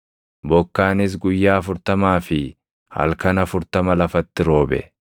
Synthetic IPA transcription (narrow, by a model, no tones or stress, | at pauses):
bɔkːaːnɪs̬ɡʊjːaːɐfʊɾt̪ɐmaːfɪ | hɐ̰lkɐnɐfʊɾt̪ɐmɐlɐfɐt̪ːɪɾo̞ːbɛ̰